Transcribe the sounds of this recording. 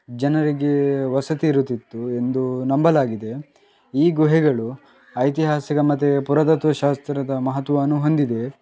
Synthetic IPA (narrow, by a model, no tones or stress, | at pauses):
d͡ʒɐnɐɾiɡe̞ʋɐsɐt̪iːɾut̪ːit̪ːue̞nd̪unɐmbɐlaːɡid̪e̞ | iːɡuɦiɡɐɭu | ɐjt̪̬iɦaːsikɐmɐt̪̬ːepuɾɐt̪ɐt̪ʋɐʃaːst̪ɾɐd̪ɐmɐɦɐt̪ʋɐɐnuɦond̪id̪e̞